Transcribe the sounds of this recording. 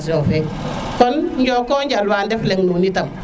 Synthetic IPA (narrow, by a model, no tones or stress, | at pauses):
s̬jofe | kɔnɲɟɔːkɔːɲɟalwaːndɛfleŋnuːnitam